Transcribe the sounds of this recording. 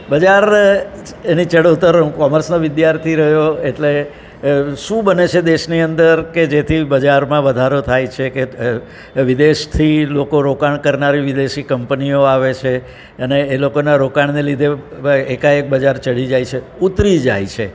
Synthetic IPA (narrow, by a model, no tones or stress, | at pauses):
bəd͡ʒaɾ | enit͡ʃəɽot̪əɾkɔməɾsnoʋɪd̪jaɾt̪ʰiɾəɦjoeʈle | ʃũbənet͡ʃʰed̪eʃniənd̪əɾked͡ʒet̪ʰibəd͡ʒaɾmãʋəd̪ʱaɾot̪ʰajt͡ʃʰeke | ʋid̪eʃt̪ʰilokoɾokaɳkəɾnaɾiʋid̪eʃikəmpnioaʋet͡ʃʰe | əneːlokonaɾokaɳnelid̪ʱeekaek̚bəd͡ʒaɾt͡ʃəɽid͡ʒajt͡ʃʰe | ut̪ɾid͡ʒa̰jt͡ʃʰe